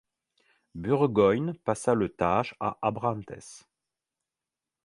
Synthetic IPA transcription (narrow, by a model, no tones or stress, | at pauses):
byʁɡɔjnpasalət̪aʒa̰ʔabʁɑ̃nt̪ɛ̰s